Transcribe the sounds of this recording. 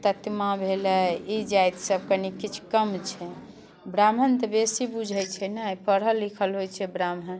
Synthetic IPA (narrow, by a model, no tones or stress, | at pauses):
t̪ət̪mabʱelɛid͡ʒajt̪səb̚kənikit͡ʃʰkəmt͡ʃʰɛ | bɾamɦənt̪əbesibud͡ʒʱɛjt͡ʃʰɛnəjpəɽ̤əlikʰəlɦojt͡ʃʰɛbɾamɦən